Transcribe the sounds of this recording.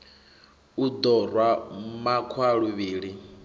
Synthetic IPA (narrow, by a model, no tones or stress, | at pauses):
ud̪ɔrwammakʰwaɺuβiːɺi